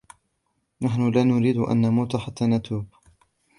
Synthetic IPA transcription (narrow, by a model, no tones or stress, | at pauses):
naħnʊlaːnʊɾiːd̪ʊʔa̰nːamuːt̪ʊħat̪ʰːaːnat̪ʰuːb